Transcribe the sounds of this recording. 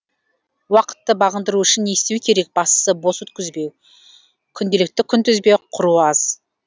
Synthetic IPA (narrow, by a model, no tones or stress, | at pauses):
wɑqə̥t̪ːəbɑʁənd̪əɾuʏʃɪnːe̞st̪ewɪkʲʰe̞ɾe̞k̚bɑst̪ə̥səbo̞sɵt̪̚kʲʏzbe̞w | kʲʰʏnd̪e̞lɪk̚t̪ɪkʲʰʏnt̪ʏzbe̞qʰʊɾuɑz̥